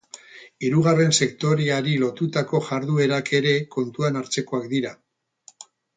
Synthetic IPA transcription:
iɾuɣ̞are̞nse̞kt̪o̞ɾeaɾilo̞t̪ut̪ako̞ʝaɾðue̞ɾakʰe̞ɾe̞ko̞nt̪uanaɾt͡se̞ko̞akd̪iɾa

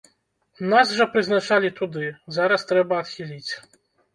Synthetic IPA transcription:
nasʐɐpɾɨznat͡ʂalʲit̪ud̪ɨzaɾɐst̪ɾɛbɐːt̪xʲilʲit͡sʲ

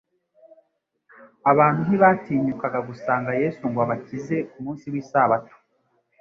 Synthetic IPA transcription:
aβaːn̥huniβaːtiːɲukaɡaɡusaːŋɡaje̞ːsuŋɡwaβacize̞kumuːnsiwiːsaβato̥

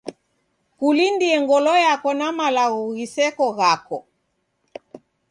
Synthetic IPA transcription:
kulindiɛŋɡɔlɔjakɔnamalaɣɔɣisɛkɔɣakɔ

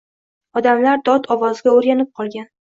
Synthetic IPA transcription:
ɒd̪amlaɾd̪ɒt̪ʰɒvɒzɪɡʲaoɾɡʲanɪp̚qʰɒlˠɡʲan

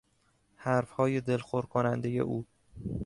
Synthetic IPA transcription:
hæɾfhɒːje̞d̪e̞lxoɾkʰonænd̪eje̞̰ʔuː

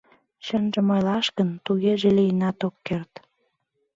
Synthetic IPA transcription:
ɕənʒə̆mojlɑʃkənt̪uɣeʒelijənɑt̪okːert̪

